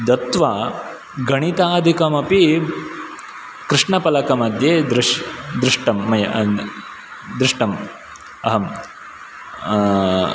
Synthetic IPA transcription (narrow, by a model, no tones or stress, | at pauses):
d̪ɐt̪ʋaː | ɡɐɳit̪aːd̪ʱikɐmɐpi | kɾɪʂɳɐpɐlɐkɐmɐd̪ʱjeːd̪ɾɪʂd̪ɾɪʂʈɐmːɐjɐ | d̪ɾɪʂʈɐm | ɐɦɐm